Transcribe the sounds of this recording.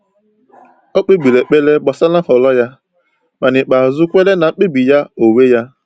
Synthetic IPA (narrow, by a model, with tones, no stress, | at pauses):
o˦k͡pe˦ɡ͡bi˨le˨k͡pe˦le˦ɡ͡bɔ˨sa˦na˦hɔ˨lɔ˦ja˦ | ma˨nɪ˨k͡pa˨zʊ˦kʷe˦le˦na˨˦k͡pe˦bi˨ja˦o˨we˦ja˦